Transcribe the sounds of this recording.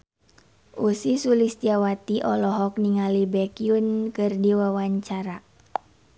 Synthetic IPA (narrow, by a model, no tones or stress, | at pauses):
ʔusisulist̪iawat̪iʔɔlɔɦɔk̚niŋalibɛkiunkɨrdiwawaɲt͡ʃaɾa